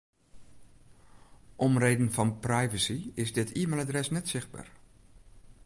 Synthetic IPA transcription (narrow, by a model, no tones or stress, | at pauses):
ʔɔmreːdən̩fɔnprajvəsiɪzdɪtʰiəmaːlˠadrɛsnɛtsɪxd̚ba̰ːɹ